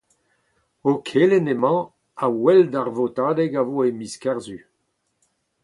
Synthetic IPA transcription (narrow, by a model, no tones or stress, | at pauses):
okʰelenemɑ̃ | awɛld̪aʁvot̪aːdɛɡavoemiskɛʁzy